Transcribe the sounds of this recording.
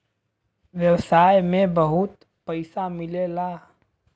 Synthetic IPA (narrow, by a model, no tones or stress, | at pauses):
ʋjɐwsaːjmẽbəɦʊt̪ | pɐɪsamɪlelaː